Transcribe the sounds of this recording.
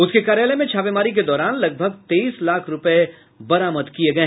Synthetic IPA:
ʊskekaːɾjeːlemẽt͡ʃʰaːʋemaːɾik̬ed̪ɔːɾaːnlɐɡ̚bʱɐɡt̪eiːslaːkʰɾʊpəe | bɐɾaːməd̪kieɡɐe

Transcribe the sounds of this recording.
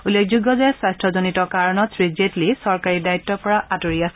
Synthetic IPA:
ulːekʰzuɡɔzɛswastɹɔzonitɔkaɹɔnɔtsɹid͡ʒetlisɔɹkaɹidaitːɔpɔɹaʔatoɹiasɛ

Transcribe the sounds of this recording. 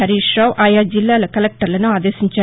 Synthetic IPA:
ɐɾiːʃɾɐːwʔaːjaːd͡ʒilːaːlɐkɐlek̚ʈɐɾlɐnuaːd̪eːsiɲt͡ʃaː

